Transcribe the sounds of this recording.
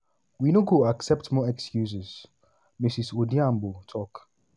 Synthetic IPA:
winoɡoaksɛp̚tmɔɛkskjus̬ɪz | misisodiãmbotʰɔk

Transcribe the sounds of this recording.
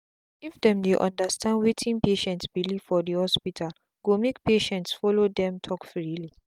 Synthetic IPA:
ifdɛ̃mdeʔɔ̰̃ndastãndwetʰĩnpeʃɛ̃ntsbiliv̥fɔdihɔspitʰal | ɡ̥omek̚peʃɛ̃ntsfɔlodɛ̃mtʰɔkfɹili

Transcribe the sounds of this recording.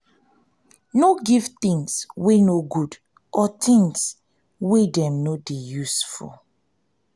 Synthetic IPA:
noɡivt̪ĩŋswenoɡud | ʔɔt̪ĩŋs | wedɛ̃mnodejusfɔ̰

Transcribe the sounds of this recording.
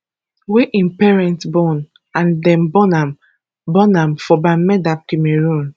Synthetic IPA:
weʔĩnpɛɹɛ̃ntbɔ̃n | ãndɛ̃mbɔnãm | bɔnãmfɔbamɛdab̚kimeɹũn

